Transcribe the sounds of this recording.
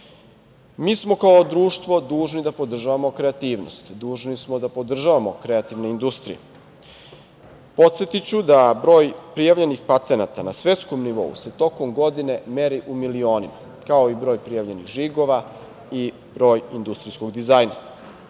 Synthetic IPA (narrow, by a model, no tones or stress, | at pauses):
miːsmo̞kaod̪ɾuːʃt̪ʋo̞d̪uːʒnid̪apo̞d̪r̩ʒaʋamo̞kɾe̞at̪iːʋno̰st̪d̪uːʒnismod̪apo̞d̪r̩ʒaʋamo̞kɾe̞at̪iʋneind̪ust̪ɾḭḛ | po̞t̪set̪it͡ɕud̪abɾo̞ːjpɾijaʋʎe̞nixpat̪e̞nat̪anasʋe̞t̪sko̞mniʋo̞̰ṵse̞t̪o̞ko̞mɡo̞d̪ine̞me̞ɾiʔumilio̞ːnima̰ | kao̞ibɾo̞ːjpɾijaʋʎe̞niɣʒiɡo̞ʋa | i | bɾo̞ːjind̪ust̪ɾisko̞ɡd̪izaːjna̰